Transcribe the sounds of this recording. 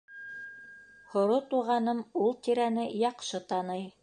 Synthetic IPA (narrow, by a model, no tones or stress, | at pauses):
hŏɾot̪uʁɑnɤmulˠt̪iɾænɘjɑqʃɤt̪ɑnɤj